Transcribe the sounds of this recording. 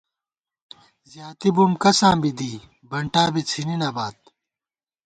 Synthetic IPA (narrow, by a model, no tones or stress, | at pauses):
zjaːt̪ibumkɐsãːbid̪iː | bɐɳʈaːbit͡sʰininabaːt̪̚